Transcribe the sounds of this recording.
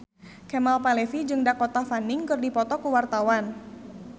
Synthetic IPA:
kɛmalpalefid͡ʒɨŋdakot̪afanɪŋkɨrdipɔt̪ɔkuwart̪awan

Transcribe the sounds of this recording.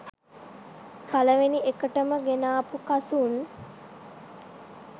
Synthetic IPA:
paləʋeniekəʈəməɡenaːpukasun

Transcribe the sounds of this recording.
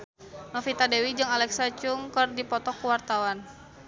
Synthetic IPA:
nɔfit̪adewid͡ʒɨŋalɛksat͡ʃuŋkɨrdipɔt̪ɔkːuwart̪awan

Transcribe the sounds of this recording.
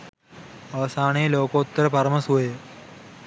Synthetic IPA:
ɐʋɐsaːɳeːloːkoːt̪ːɐɾɐpɐɾɐmɐsuʋe

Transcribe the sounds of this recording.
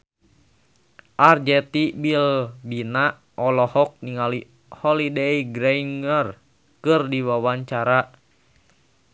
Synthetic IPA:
ʔard͡ʒɛt̪ibilbina | ʔɔlɔhɔk̚niŋali | hɔlideiɡɾɛiŋər | kɨrdiwawaɲt͡ʃaɾa

